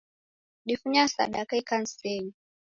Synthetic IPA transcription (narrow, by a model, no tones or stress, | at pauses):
ɗifuɲasa̰ɗakaikan̩sɛni